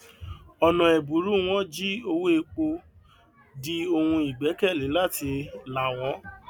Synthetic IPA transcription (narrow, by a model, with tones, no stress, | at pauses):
ɔ˨nɔ̃˨ɛ˨bu˨˦ɾu˦w̃ɔ̃˦d͡ʒi˦o˧wo˦e˧k͡po˧ | di˦o˧hũ˧i˨ɡ͡bɛ˨˦kɛ˦˨lĩ˨˦la˦˨tʰi˧la˨w̃ɔ̃˨˦